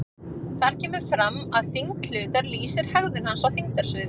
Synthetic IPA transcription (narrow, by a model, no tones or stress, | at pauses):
θaɾ̥cʰɛːmʏɾ̥fɾamːaðθiŋkl̥ʏːt̪aɾliːsɪɾ̥hɛɣðʏnhansawθiŋ̚t̪aɾ̥svʏːðɪ